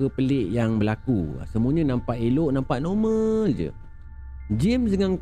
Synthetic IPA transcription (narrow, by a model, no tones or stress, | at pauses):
əpəlɪʔjaŋbəlakṵsəmũəɲə̃nãmpaʔiloʔnampaʔnomə̃d͡ʒə̰ | d͡ʒimsdəŋaŋk